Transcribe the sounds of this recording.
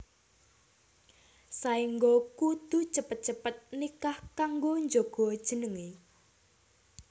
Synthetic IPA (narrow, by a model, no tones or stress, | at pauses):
saiŋɡokud̪̥ṳt͡ʃəpət̪̚t͡ʃəpət̪̚nikahkaŋɡoɲd͡ʒoɡ̥ɔ̤d̥ʒ̥ə̤nəŋe